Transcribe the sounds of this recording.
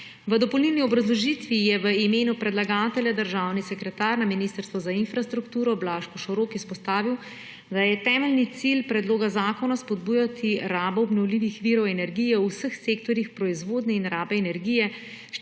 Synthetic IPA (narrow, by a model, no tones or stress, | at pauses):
ʋəd̪ɔpɔlnilniɔbɾazlɔʒiːt̪ʋijɛʋəimeːnupɾɛd̪laɡaːt̪ɛljad̪əɾʒaːwnisɛkɾɛt̪aːɾnaminist̪əɾst̪ʋɔzainfɾast̪ɾukt̪uːɾɔblaːʃkɔʃɔɾoːkispɔst̪aːʋiw | d̪ajɛt̪ɛːmɛlnit̪silpɾɛd̪loːɡazaːkɔnaspɔd̪buːjat̪ʰiɾaːbɔːbnɔwliːʋixʋiɾɔwɛnɛɾɡijɛusəxseːkt̪ɔɾjixpɾɔizʋoːd̪nɛinɾaːbɛːnɛɾɡijɛ | ʃ